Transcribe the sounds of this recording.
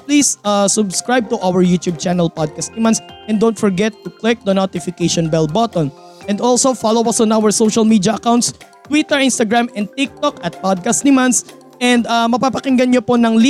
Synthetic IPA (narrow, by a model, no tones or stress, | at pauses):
pliːsasʊbskɹajb̚t̪ʊʔawɛɹjuːt̪jub̚t͡ʃanɛlpɔd̪̚kɐst̪nɪmansʔɛ̃nd̪ownt̪̚fɔɹɡɛt̪ːʊklɪk̚d̪ɐnot̪ɪfɪkejʃɔnbɛlbɔt̪ɔ̃n | ʔɛnd̪olsofalowɐsɔnʔawɛɹsowʃɐlmiːd̪ijɐʔɐkaw̃nt̪s | t̪wit̪ɛɹʔɪnst̪ɐɡɹamɛ̃nd̪̚t̪ik̚t̪ɔkɐt̪̚pɔd̪̚kɐst̪̚nɪmɐns | ʔɛ̃nd̪ɐmɐpapɐkɪŋɡɐnɲoponɐŋli